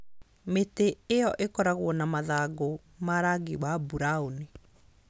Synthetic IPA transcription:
meteejɔʔekɔɾaɣwɔnamaðaɡo | maɾaɡiwabuɾaoni

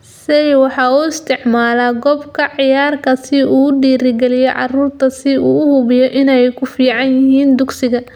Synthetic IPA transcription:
sɛjwɑħɑuːɪst̪ʰɪʕmaːlaːɡɔbkʰɐʕɪjaːrkʰɐsɪuːɖiːɾɪɡɛlɪjɛʕɑ̰ruːrt̪ʰɐsɪuːʊhʊβɪjɔʔɪnɛjkʰʊfiːʕɑnjɪɦiːnd̪ʊɡsɪɣɐ

